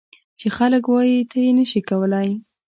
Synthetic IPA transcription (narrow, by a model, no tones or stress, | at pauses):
t͡ʃexaləkwɑjit̪ʰajenəʃikawəlaj